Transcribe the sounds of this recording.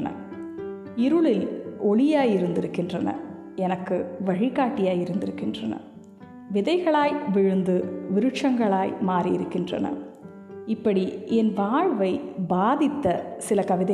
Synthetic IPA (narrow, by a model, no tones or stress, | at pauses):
nɐ̰ | ɪɾɯɭɪlɔɭɪjaːjɪɾɯnd̪ɪɾɯkːɪndrɐnɐ̰ | ɛnɐkːɯʋɐɻɪkaːʈːɪjaːjɪɾɯnd̪ɪɾɯkːɪndrɐ̰nɐ̰ | ʋɪðɐɪɣɐɭaːjʋɪɻɯnd̪ɯʋɪɾɯt͡ʃːɐŋɡɐɭaːjmaːrijɪɾɯkːɪndrɐ̰nɐ̰ | ɪpːɐɽiɛnʋaːɻʋɐɪbaːðɪt̪ːɐsɪlɐkɐʋɪðɐ